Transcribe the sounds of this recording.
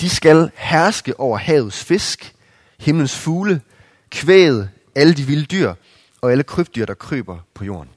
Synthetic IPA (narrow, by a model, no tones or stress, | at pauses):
d̥isɡ̥ælhæɐsɡ̥əʔɒʊ̰ɐhɛ̰ːʊð̩ˠsfe̝sɡ̥ | he̝mlən̩sfuːlə | kʰʋḛːð̞̩ˠ | æləd̥iʋiləd̥yɐ̰ | ɒ̽æləkʰʁøb̥d̥yɐd̥ɑ̈kʰʁø̰ːb̥ɐpʰɒ̽jo̝̰ːɐn